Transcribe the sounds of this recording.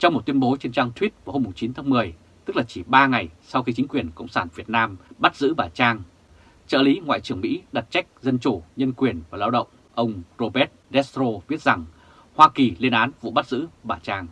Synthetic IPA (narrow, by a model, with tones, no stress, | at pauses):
t͡ɕɔ˧wŋ͡mm˨˩t̚t̪wi˧ənɓo˨˦t͡ɕe˧nt͡ɕaː˧ŋt̪ʰwi˦˥t̚vaː˨˩ho˧mːʊ˨˩ŋ͡mt͡ɕi˨˦nt̪ʰaː˨˦ŋmɨ˨˩əj | t̪ɨ˦˥k̚laː˨˩t͡ɕi˧˩ɓaː˧ŋa˨˩jsa˧wxi˧t͡ɕi˨˦ŋ̟kwi˨˩ənkə̰˧˨wŋ͡msaː˧˩nvi˨˩ət̚naː˧mɓa˦˥t̚zɨ̰˧˥ɓaː˨˩t͡ɕaː˧ŋ | t͡ɕə̰ː˧˨li˨˦ŋwa̰ː˧˨jt͡ɕɨ˨˩əŋmḭ˧˥ɗa˨˩t̚t͡ɕa˦˥jk̟̚zə˧nt͡ɕu˧˩ɲə˧nkwi˨˩ənvaː˨˩laː˧wɗə̰˧˨wŋ͡m | ʔə˧wŋ͡mzo˧ɓɛ˦˥t̚lɛ˦˥st̪ɾo˧ɓi˦˥ət̚za˨˩ŋ | hwaː˧ki˨˩li˧ənʔaː˨˦nvṵ˧˨ɓa˦˥t̚zɨ̰˧˥ɓaː˨˩t͡ɕaː˧ŋ